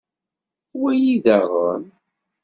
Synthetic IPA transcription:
wæjiðaʁəm

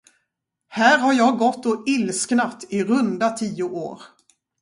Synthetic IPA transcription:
hæːɾɦaɾjɑːɡɔt̪ːɔɪlsknat̪ɪɾɵnd̪at̪ʰiːʊʔo̰ːɾ

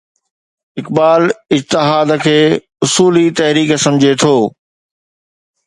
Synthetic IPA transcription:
ɪkbaːlɪd͡ʑt̪ɪɦaːd̪kʰeː | ʊsuːlit̪ɐɦɾiːksɐ̃md͡ʑʱet̪ʰoː

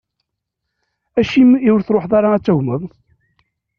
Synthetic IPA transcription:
æʃimiwɾθɾˤoħðˤɑɾˤɑæt͡sːæwməðˤ

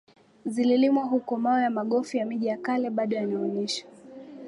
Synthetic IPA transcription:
zililimwaɦukɔmaɔjamaɠɔfijamiʄijakalɛɓaɗɔjaliɔɲɛʃḁ

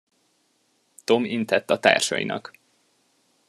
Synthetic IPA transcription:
t̪o̞mint̪ɛt̪ːɒt̪a̰ːrʃɒ̰jḭnɒk

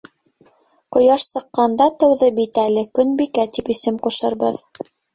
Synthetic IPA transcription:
qŏjɑʃsɤ̆qːɑnd̪ɑt̪ɤ̆wðɤbit̪ælɘkɵnbikæt̪ipɵ̆sɘmquʃɤ̆ɾbɤð

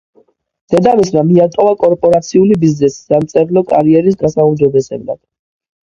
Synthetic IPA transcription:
d̪̥ɛd̪amismamiat̪ʼɔvakʼɔɾpʼɔɾat̪sʰiulibiznɛsi̥samt̪sʼɛɾlɔkʼaɾiɛɾis̬d̪asaumd͡ʒɔbɛsɛ̰bla̰d̪̥

